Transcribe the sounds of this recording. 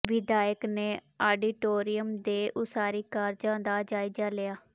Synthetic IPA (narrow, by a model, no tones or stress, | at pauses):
ʋɪd̪aːjəkneː | aːɖiːʈoːɾijəmd̪eːʔʊsaːɾiːkaːɾd͡ʒãːd̪aːd͡ʒaːid͡ʒaːlɪjaː